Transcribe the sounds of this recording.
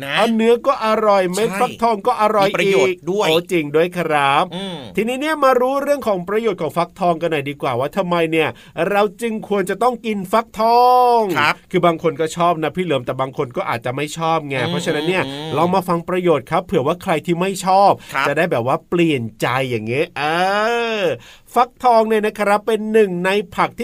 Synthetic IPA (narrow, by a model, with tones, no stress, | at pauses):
ʔa˧nɯ˦˥ɐkɔː˥˩ʔa˧ɾɔ˨˩jma˥˩fa˦˥k̚t̪ʰɔː˧˥˩ŋkɔː˥˩ʔa˧ɾɔ˨˩jiː˨˩k̚du˥˩əoː˨˦t͡ɕi˧ŋdu˥˩əjkʰa˧˥ɾa˦˥p̚t̪ʰiː˧niː˦˥ni˥˩ɐmaː˧ɾuː˦˥ɾɯ˥˩əŋkʰɔː˩˦ŋpɾa˧joː˨˩t̪̚kʰɔː˩˦ŋfa˦˥k̚t̪ʰɔː˧ŋka˧nɔː˨˩jdiː˧kwaː˨˩waː˥˩t̪ʰa˧mːa˧jni˥˩ɐ | ɾa˧wt͡ɕɯ˧ŋkʰu˧ənt͡ɕa˨˩t̪ɔ˥˩ŋki˧nfa˦˥k̚t̪ʰɔː˧˩ŋ˦kʰɯː˧baː˧ŋkʰo˧nkɔː˥˩t͡ɕʰɔː˥˩p̚na˦˥pʰiː˥˩lɤː˩˦mt̪ɛː˨˩baː˧ŋkʰo˧nkɔː˥˩ʔaː˨˩t̪̚t͡ɕa˨˩ma˥˩jt͡ɕʰɔː˥˩p̚ŋɛ˧pʰɾɔ˦˥t͡ɕʰa˧na˦˥nːi˥˩ɐlɔː˧maː˧fa˧ŋpɾa˧joː˨˩t̪̚kʰa˦˥pʰːɯ˩˦waː˥˩kʰɾa˧jt̪ʰiː˥˩ma˥˩jt͡ɕʰɔː˥˩p̚t͡ɕa˨˩daː˥˩jbɛː˨˩p̚waː˥˩pli˨˩ənt͡ɕa˧jːaː˨˩ŋːi˦˥ʔɤː˧ | fa˦˥k̚t̪ʰɔː˧ŋni˥˩na˦˥kʰa˧ɾa˦˥pːe˧nːɯ˨˩ŋna˧jpʰa˨˩k̚t̪ʰiː˥˩